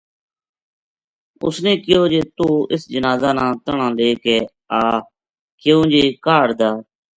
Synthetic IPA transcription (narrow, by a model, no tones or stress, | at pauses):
ʊ̰snẽːkɪjoːd͡ʒeːt̪uːɪsd͡ʒənaːzaːnãːt̪əɳãːleːkeː | aː | kjõːd͡ʒeːkaːɽd̪aː